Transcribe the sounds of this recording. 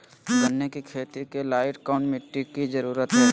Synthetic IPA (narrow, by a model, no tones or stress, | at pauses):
bɐnːekikʰeːt̪ikelaːɪʈkaʊɳʈmeʈːikid͡ʒɐɾuːɾət̪ɦɛː